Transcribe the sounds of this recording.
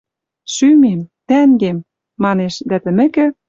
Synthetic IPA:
ʃymemt̪æŋɡemː | ɑneʃd̪æt̪ɘ̆mɘ̆kɘ̆

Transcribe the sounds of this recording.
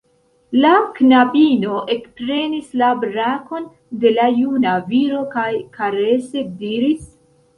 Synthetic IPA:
laknabino̞ʔe̞kpɾe̞nislabɾako̞n | de̞lajunaviɾo̞kajkʰaɾe̞sediɾis

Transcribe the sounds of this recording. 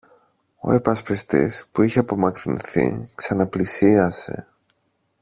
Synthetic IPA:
o̞̰epɐspist̪ḭspuiçeɐpo̞mɐkɾinθḭksɐnɐplisiɐse̞̰

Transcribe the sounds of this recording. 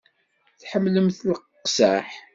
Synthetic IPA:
θħəmːləmθləqqːsaħ

